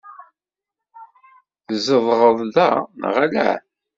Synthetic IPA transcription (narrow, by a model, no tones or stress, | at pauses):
θəzəðˤʁəðˤðæn̰ʁælæ̰